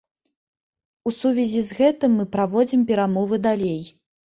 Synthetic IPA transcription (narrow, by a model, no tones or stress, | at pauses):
usuvʲɛzʲizɣɛt̪ɨmːɨpɾavɔd͡zʲimpʲɛɾamɔvɨd̪alʲej